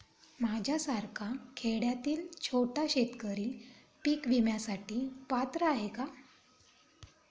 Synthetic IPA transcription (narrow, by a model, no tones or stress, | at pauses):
mad͡ʑʱjasaɾkʰakʰeɽjat̪iːlt͡ɕʰoʈaɕet̪kəɾiː | piːkʋimjasaʈiːpat̪ɾəaɦeka